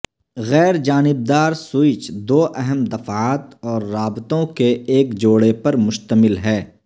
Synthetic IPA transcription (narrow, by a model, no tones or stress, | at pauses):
ɣɛːɾd͡ʒaːnɪb̚d̪aːɾsʊɪt͡ʃd̪oːʔɛɦəmd̪ɐfaːt̪ɔːɾːaːbt̪õkeeːkd͡ʒoːɽepɐɾmʊʃt̪əmɪlɦɛː